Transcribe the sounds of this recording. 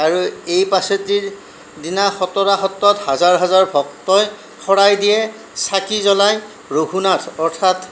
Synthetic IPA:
aɹuejpasɔtiɹ | dinaxɔtɔɹaxɔtːɔthazaɹɦazaɹbʱɔk̚tɔj | xɔɹajdijɛ | sakizɔlaj | ɹoɦunatʰɔɹtʰat

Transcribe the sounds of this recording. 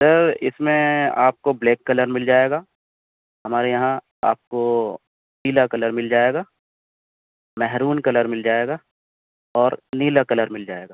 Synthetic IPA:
səɾɪ̰smẽa̰ːp̚kobleːkːɐləɾmɪld͡ʒaːeːɡaː | ɦɐmaːɾejɐɦã | a̰ːp̚ko | niːlakɐləɾmɪld͡ʒaːeːɡaː | mɛɦɾuːnkɐləɾmɪld͡ʒaːeːɡaː | ɔːɾniːlakɐləɾmɪld͡ʒaːeːɡaː

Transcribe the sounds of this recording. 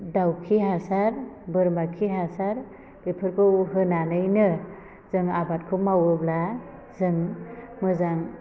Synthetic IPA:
dawkʰiɦasaɾbɯɾmakʰiɦasaɾ | b̥epʰɯɾkʰɯwɦɯnanɯjnɯ | zɯŋabat̚kʰɯmawɯbla | zɯŋmɯzaŋ

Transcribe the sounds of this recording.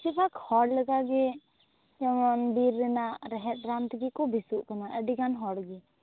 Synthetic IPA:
t͡ʃipakhɔɽləɡaɡɛ | d͡ʒɛmɔnbiɾːɛnaɾɛɦɛt̚ɾant̪ɡikɔbʱisuʔkənaʔɛɖiɡanɦɔɽɡi

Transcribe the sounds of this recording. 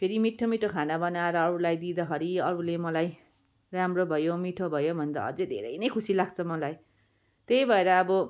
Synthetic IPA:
pʰeɾimiʈʰːomiʈʰokʰanabʌnaeɾʌːɾulajd̪id̪ʌɦʌɾiʌɾulemʌlaj | ramrobʱʌjomiʈʰobʱʌjobʱʌnd̪a̰ʌ̰d͡zed̪ʱḛɾʌ̰jnʌjkʰusilaɡ̚t͡sʰʌmʌlaj | t̪ejbʱʌeɾʌːbʌ

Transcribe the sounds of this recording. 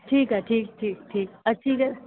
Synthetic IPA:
ʈʰiːkɛʈʰiːk̚ʈʰiːk̚ʈʰiːk̚ɐt͡ʃʰiːkɛ

